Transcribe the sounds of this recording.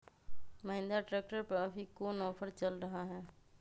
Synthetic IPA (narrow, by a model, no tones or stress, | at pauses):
mɐɦɪ̃nd̪aʈɾɛːk̚ʈəɾpɐbʱikoːnɔːpʰəɾt͡ʃɐlɾɐɦaɦɛː